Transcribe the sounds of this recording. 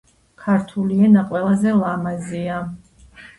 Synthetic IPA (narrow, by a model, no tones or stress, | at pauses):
kʰaɾt̪ʰuliɛnaqʼwɛlˠazɛlˠamazia